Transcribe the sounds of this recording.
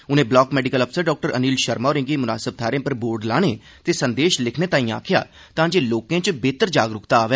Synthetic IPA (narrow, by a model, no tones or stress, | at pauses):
ʊnẽːblɔːkmɛːɖɪkələpʰsəɾɖɔːk̚ʈəɾə̰niːlʃəɾmaːɾɪ̃ŋɡimʊnaːsəb̚t̪ʰaːɾẽːpəɾboːɾɖlaːneː | t̪eːsənd̪eːʃlɪkʰneːt̪ãːĩːa̰ːkʰja̰ː | t̪ãːd͡ʒeːloːkẽːt͡ʃəbeːt̪əɾd͡ʒaːɡɾʊkt̪aaːʋɛː